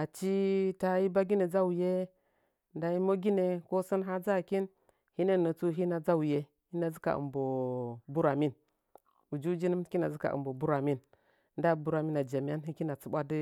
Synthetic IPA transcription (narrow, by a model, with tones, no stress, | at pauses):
a˨t͡ʃi˦ta˦ji˦ba˦ɡi˦ne˨d͡za˦wu˨je˦ | nda˨˦ji˦mo˦ɡi˦ne˨ko˦sə˦nɦa˦d͡za˦˨ki˦n | hi˦ne˦nə˨t͡su˦ɦi˦na˨d͡za˦wu˨je˦ | hi˦na˨zi˦ka̰˨ʔɨ̰˨mbo˨bu˦ɾa˨mi˦n | u˨d͡ʒu˦d͡ʒi˦nə˦m˦ki˦na˨zə˦ka̰˨ʔɨ̰˨mbo˨bu˦ɾa˨mi˦n˨ | nda˦bu˦ɾa˨mi˦na˨d͡ʒa˨m˨ja˦nɦi˦ki˦na˨t͡su˦ɓʷa˦di˦